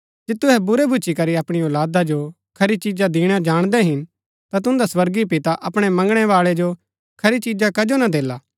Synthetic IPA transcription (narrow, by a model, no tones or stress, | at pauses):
d͡ʒeːt̪ʊɦɛbʊɾɛbʱʊt͡ʃikɐɾiɐpɽ̃iɔːlaːd̪ad͡ʒo | kʰɐɾit͡ʃid͡ʒad̪iːɽ̃ad͡ʒaːɽ̃d̪ɛɦɪn | t̪at̪̬ʊ̃nd̪aswɐɾɡipɪt̪aʔɐpɽ̃ɛmɐ̃ŋɡɽ̃ɛʋaːɭɛd͡ʒo | kʰɐɾit͡ʃiːd͡ʒakɐd͡ʒonad̪eːlaː